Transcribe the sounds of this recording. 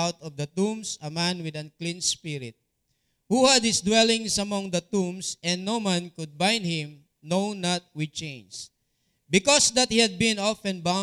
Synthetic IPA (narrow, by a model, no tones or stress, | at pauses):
awt̪ɔvd̪ɐt̪ũmsɐmãnwɪd̪ɐ̃nklĩnspɪɾɪt̪̚ | huhad̪̚hɪsd̪wɛlɪ̃ŋsɐmɔ̃ŋd̪ɐt̪ũmsɛ̃nd̪nowmãnkʊd̪̚bãjnd̪̚hɪ̃m | nownat̪̚wɪd̪̚t͡ʃẽns | bɪkɔsd̪ɐt̪̚hihɐd̪̚bɪ̃nɔfɛ̃nba